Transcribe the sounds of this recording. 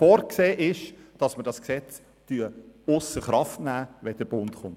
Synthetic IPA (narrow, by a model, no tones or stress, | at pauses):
fɔːɾkseːʔɪʃd̥ɑsməɾd̥ɑsksɛt͡s | tyəʊsəχɾɑftnæːʋɛd̥əɾb̥ʊntχʊnt